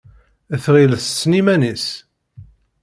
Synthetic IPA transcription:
əθʁilθt͡sːnimænis

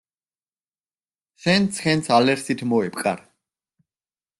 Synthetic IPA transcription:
ʃɛnsʰχɛnsʰalɛɾsit̪ʰmɔɛpʼkʼa̰ɾ

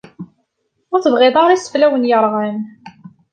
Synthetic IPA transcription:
ʊɾθəvʁɪðˤɑɾˤisə̥flæwənjəɾˤʁən

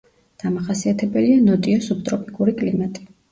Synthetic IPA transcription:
d̪̥amaχasiat̪ʰɛbɛlianɔt̪ʼiɔsup̚t̪ʼɾɔpʰʼikʼuɾikʼlimat̪ʼi̥

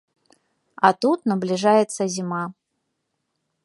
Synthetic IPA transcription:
ɐt̪ut̪nɐblʲɪʐajɛt̪səzʲima

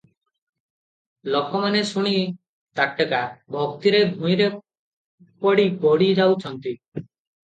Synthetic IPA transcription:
lokɔmanesuɽ̃i | t̪akʈəkabʱɔkt̪iɾebʱũj̃ɾe | pɔɽibɔɽid͡ʒawt͡ʃʰɔnt̪i

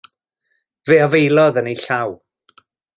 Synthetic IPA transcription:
veːavejlˠɔðənejɬaw

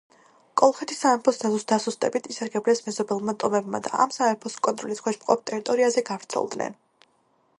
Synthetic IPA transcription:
kʼɔlˠχɛt̪ʰisaɛmpʰɔsd̪azusd̪asust̪ʼɛ̰bit̪ʰisaɾɡɛblɛsmɛzɔbɛlˠmat̪ʼɔmɛbma̰d̪a̰ʔa̰msaɛmpʰɔskʼɔnt̪ʼɾɔliskʰwɛʃmqʼɔ̰p̚t̪ʼɛɾit̪ʼɔɾiazɛɡavɾt̪sʰɛ̰lˠd̪nɛ̰n

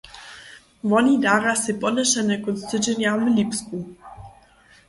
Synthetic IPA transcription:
vɔnʲid̪aɾasepɔdɛʃɛnɛkɔnst̪ɘd͡ʑenjavlʲipsku

